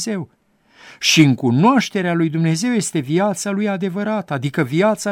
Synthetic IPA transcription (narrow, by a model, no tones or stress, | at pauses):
ze̞w | ʃiɨŋkunoaʃt̪e̞ɾealujd̪umne̞ze̞wje̞st̪e̞viat̪salujad̪e̞vəɾat̪əad̪ikəviat̪sa